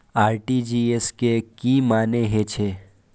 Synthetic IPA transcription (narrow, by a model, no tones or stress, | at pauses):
aːɾʈid͡ʒiːeskekiːmaːneɦet͡ʃʰe